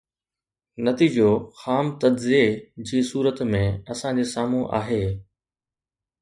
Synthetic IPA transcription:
nɐt̪iːd͡ʑoxaːmt̪ɐd̪zied͡ʑiːsuːɾət̪mẽɐsãd͡ʑeːsaːmũʔa̰ːɦeː

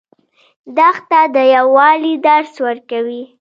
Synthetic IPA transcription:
d̪axt̪ad̪əjawɑlid̪aɾswəɾkawi

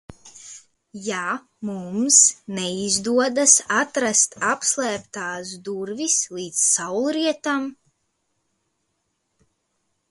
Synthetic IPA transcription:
ja | mumsnɛizd̪uɔd̪asat̪ɾast̪apslˠæːp̚t̪aːsd̪uɾvislˠiːt̪sːawlˠɾiɛt̪am

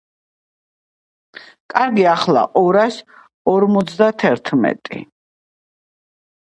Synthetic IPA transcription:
kʼaɾɡiaχlˠa̰ʔɔɾas | ɔɾmɔt̪sʰd̪at̪ʰɛɾt̪ʰmɛ̰t̪ʼḭ

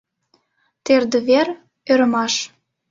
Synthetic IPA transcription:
t̪erd̪ə̆βer | øɾəmɑʃ

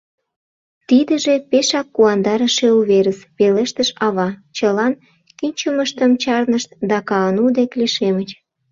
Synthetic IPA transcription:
t̪id̪ə̆ʒepeʃɑkːuɑnd̪ɑɾəʃeuβeɾəspeleʃt̪əʃɑβɑt͡ɕəlɑn | kinʲt͡ɕəməʃt̪əmt͡ɕɑrnəʃt̪̚d̪ɑkɑənud̪ekliʃemət͡ɕ

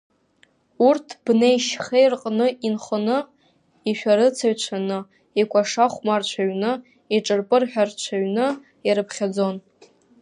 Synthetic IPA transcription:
urtʰb̥nejʃχejrqʼnɨʔinχənɨ | iʃᶣaɾɨt͡sʰaɥt͡ʃʷʰanɨ | ikʷʰʼaʂaχʷmart͡ʃʷʰaɥnɨ | iʈ͡ʂʼɨrpʼɨrħᶣart͡ʃʷʰaɥnɨ | iɾɨpʰχʲad͡zo̞n

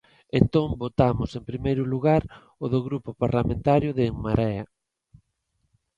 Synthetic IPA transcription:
ent̪õŋbot̪amʊsempɾimejɾʊluɣaɾ | oðoɣɾupʊpaɾlamẽnt̪aɾjʊðeŋmaɾɛa

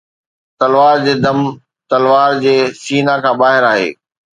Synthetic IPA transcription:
t̪ɐlʋaːɾd͡ʑeːd̪ɐm | t̪ɐlʋaːɾd͡ʑeːsiːnakʰãːbaːɦɪɾaːɦḛː

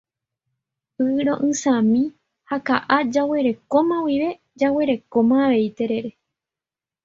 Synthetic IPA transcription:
pɨɾo̞ʔɨ̃sãmĩ | hakaʔad͡ʒawe̞ɾe̞kõ̞mãwiʋe̞ | d͡ʒawe̞ɾe̞kõmãːʋe̞jt̪e̞ɾe̞ɾe̞

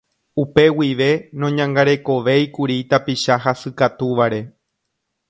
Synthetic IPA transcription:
upe̞wiʋe̞nõɲãŋɡaɾe̞ko̞ʋe̞jkuɾit̪apiʃaɦasɨkat̪uʋaɾe̞

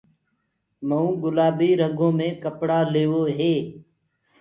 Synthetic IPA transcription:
məũːɡʊlaːbiːɾəɡõːmẽːkəpɽaːleːʋoːɦeː

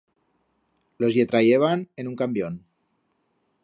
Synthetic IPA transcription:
lozjet̪ɾajeβanenuŋkambjon

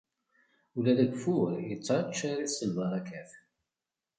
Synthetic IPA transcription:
ulæðæɡfuɾjət͡sːɾˤt͡ʃːaɾisəlvɑɾˤækæf

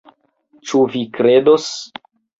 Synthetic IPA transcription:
t͡ʃuvikɾe̞dos

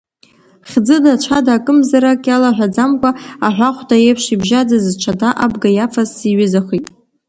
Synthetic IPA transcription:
χʲd͡zɨdat͡ʃʷʰadaːkʼɨmzaɾakʼalaħᶣʷad͡zamkʷʼaaħᶣʷaχʷtʼajejpʰʂibʒad͡zazt͡ʃʷʰadaʔabɡajafʰazːiɥɪzaχʷitʼ

